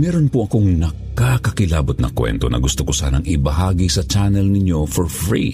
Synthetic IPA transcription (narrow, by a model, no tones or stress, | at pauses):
mɛːɾonpoʔɐkoŋnɐ | kakɐkɪlaːbot̪̚nɐ̰kwɛ̰nt̪o̰nɐ̰ɡʊst̪okosa̰ːnɐŋɪbɐɦaːɡisɐt͡ʃanɛlnɪɲjo̞foɹfɹḭ